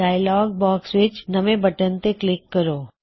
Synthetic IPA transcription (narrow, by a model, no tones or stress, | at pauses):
aːɪlɔːɡ̚bɔːksʋɪt͡ʃnɐmẽbɐʈənt̪eklɪkkːəɾoː